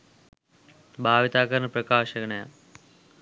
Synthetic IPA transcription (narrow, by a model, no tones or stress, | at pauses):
bʱaːʋit̪aːkɐɾɐɳɐprɐkaːʂɐɡɐɳɐja̰